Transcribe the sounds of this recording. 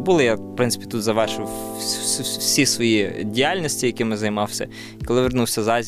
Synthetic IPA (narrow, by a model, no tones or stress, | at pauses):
bulˠɪjapɾɪnsɪ̥pʲi̥t̪ut̪zɐʋɛʒwsssʲisʋɔjidʲijalʲnʲɔsʲtʲijɐkɪmɪnzɐjmɑwsʲɐ̰ | ikɔlˠɪʋernuwsʲɐzɑzʲ